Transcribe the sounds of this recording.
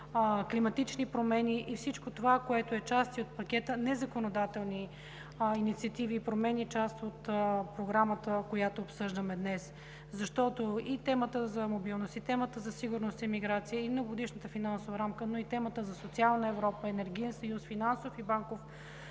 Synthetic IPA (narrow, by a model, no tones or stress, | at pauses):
klimɐt̪it͡ʃnipɾomɛniʔifsit͡ʃkot̪ovakoɛt̪oɛt͡ʃast̪iot̪̚pɐkʲɛt̪ənɛzɐkonod̪at̪ɛlˠni | init̪siɐt̪iviːpɾomɛnit͡ʃast̪ot̪pɾoɡɾamət̪əkojat̪oːpsɤʒd̪əmɛd̪nɛs | zɐʃt̪ɔt̪oit̪ɛmət̪əzɐmobilˠnost̪it̪ɛmət̪əzɐsiɡʊɾnost̪imiɡɾat̪sijəimnoɡod̪iʃnət̪əfinansovəɾamkənoit̪ɛmət̪əzɐsot̪sialˠnəɛvɾɔpəɛnɛɾɡʲiɛnsɐjusfinansofibaŋkof